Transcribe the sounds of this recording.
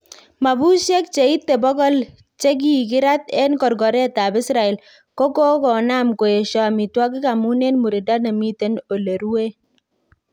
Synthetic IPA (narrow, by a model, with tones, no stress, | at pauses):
ma˨bu˦ʃje˦k̚t͡ʃe˨i˦t̪ːe˨bɔ˦ɡɔ˦l | t͡ʃe˦ɡ̬i˦˨k̬ɪ˦ɾa˦t̪ɛ˦nkɔ˨ɾɡɔ˨ɾɛ˦ta˨bɪ˦sɾa˨ɛ˨l | kɔ˦kɔ˦kɔ˨na˦mko˨e˨ʃɔ˦a˨mi˨twa˦k̬i˦ka˨mu˦ne˦nmu˨ɾi˨da˦na˨mi˦te˦no˨le˨ɾu˦we˦